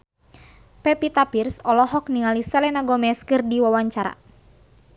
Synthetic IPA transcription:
pɛpit̪apirsɔlɔɦɔk̚niŋalisɛlɛnaɡɔmɛskɨrdiwawaɲt͡ʃaɾa̰

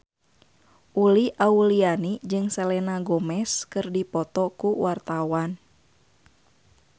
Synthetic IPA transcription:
ʔuliʔaulianid͡ʒɨŋsɛlɛnaɡɔmɛskɨrdipɔt̪ɔkuwart̪awan

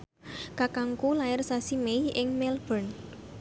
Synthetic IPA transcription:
kakaŋkulaɪrsasimejʔɪŋmɛlb̥ən

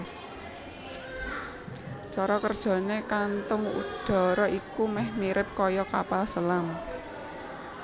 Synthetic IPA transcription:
t͡ʃɔɾɔkərd̥ʒ̥ɔ̤nekant̪ʊŋṵd̪̥ɔ̤ɾɔʔikumɛhmiɾɪp̚kɔjɔkapalsəlam

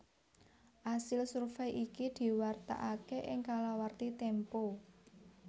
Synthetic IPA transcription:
ʔasɪlsurfɛjʔikid̪̥i̤wart̪a̰ʔakeʔɪŋkalawart̪it̪ɛmpo

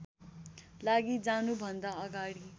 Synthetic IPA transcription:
laɡid͡zanubʱʌnd̪aʌɡaɽi

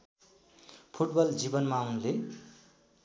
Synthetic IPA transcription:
pʰuʈbʌld͡zibʌnmaunle

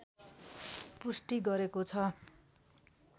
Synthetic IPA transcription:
pusʈiɡʌɾekot͡sʰʌ

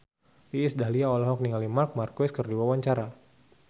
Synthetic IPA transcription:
iːsdaɦliaɔlɔɦɔk̚niŋalimark̚markɔskərdiwawaɲt͡ʃaɾa

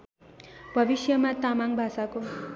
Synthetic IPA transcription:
bʱʌbisjʌmat̪amaŋbʱasako

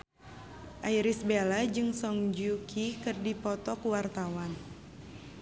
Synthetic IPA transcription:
ʔajɾisbelad͡ʒɨŋsɔŋd͡ʒukʰikɨrdipɔt̪ɔkuwart̪awan

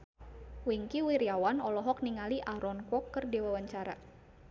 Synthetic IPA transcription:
wiŋkiwiɾiawanɔlɔɦɔk̚niŋaliʔaɾɔnkɔkːərdiwawaɲt͡ʃaɾa̰

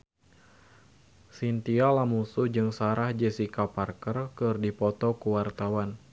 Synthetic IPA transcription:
sint̪ialamusud͡ʒɨŋsaɾahd͡ʒɛsikaparkərkɨrdipɔt̪ɔkuwart̪awan

